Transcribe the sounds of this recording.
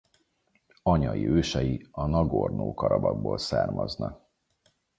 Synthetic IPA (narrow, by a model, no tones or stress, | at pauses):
ɒɲɒjiøːʃɛjiɒnɒɡornoːkɒɾɒbɒɡ̚boːlsaːrmɒznɒk